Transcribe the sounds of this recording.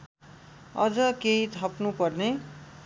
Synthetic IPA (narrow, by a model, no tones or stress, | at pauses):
ʌd͡zʌkeit̪ʰʌpnupʌrne